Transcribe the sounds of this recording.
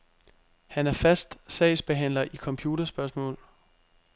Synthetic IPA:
hænæɐfæsd̥sɛ̰ɪsb̥e̝ɦæn̰lɐʔikʰɒ̽mpʰjuːd̥ɐsb̥ɶɐsmɔ̰̽ːl

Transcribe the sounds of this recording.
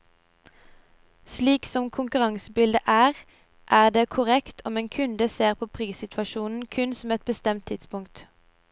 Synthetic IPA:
sliːksɔmkʰʊŋkʉʁɑŋsəbɪld̪əʔæːʁ | ʔæːʁd̪eːkʰʊʁɛkt̪ʰɔmeːnkʰʉnd̪əseːʁpʰoːpʰʁiːsɪt̪ʰʋɑʃuːnn̩kʰʉnsɔmɛt̪̚bəst̪ɛmt̪ʰɪt̪spʊŋkt̪

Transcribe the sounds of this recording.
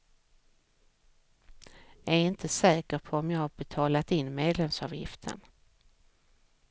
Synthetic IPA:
æɾɪnt̪ʰəsɛːkəɾpʰɔɔmjɑːɡhaɾbɛt̪ʰɑːlat̪ɪnːmeːd̪lɛmsɑ̰ːvjɪ̰ft̪ʰə̰n

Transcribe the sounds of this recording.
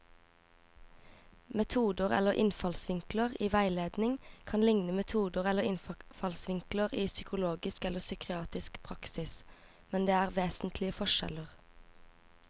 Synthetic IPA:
mɛt̪ʰuːd̪əʁɛ̰ləʁʔɪ̰nfɑlsʋɪŋkləʁiːʋæɪleːd̪nɪŋkʰɑnlɪŋnəmɛt̪ʰuːd̪əʁɛləʁɪnffɑlsʋɪŋkləʁiːsʏkʰʊloːɡɪskɛləsʏkʰɪɑːt̪ɪskpʰʁɑksɪs | mɛnd̪eːæːʁʋeːsn̩t̪ʰlɪəfɔʃɛ̰ləʁ

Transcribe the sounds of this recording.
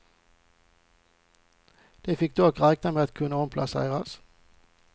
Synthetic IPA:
d̪̥eɪfɪk̚d̪ʉːɑkʁæɪk̚nəmeːɑt̪kʰʉnəɔmpʰlɑsæ̰ɪʁɑs

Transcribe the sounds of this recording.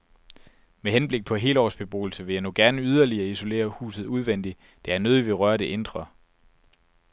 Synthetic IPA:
meɦenb̥le̝ɡ̥̚pʰɒ̽ɦe̝̰ːlɒ̰ːsb̥e̝b̥o̝̰ːl̩səʋe̝jɑ̈noɡ̥æɐnəyð̞ˠɐliɐiso̝le̝̰ːɐhṵːsð̞̩ˠuð̞ˠʋen̰d̥i | d̥e̝æɐnoːðˠiʋe̝ʁɶɐɾ̥e̝ʔend̥ʁɐ

